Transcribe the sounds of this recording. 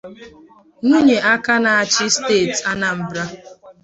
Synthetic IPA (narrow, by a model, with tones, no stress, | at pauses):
ŋʷu˦ɲe˨ʔa˦ka˦na˨a˨t͡ʃɪ˦steː˦˨ta˦na˨m̩˨bɾa˦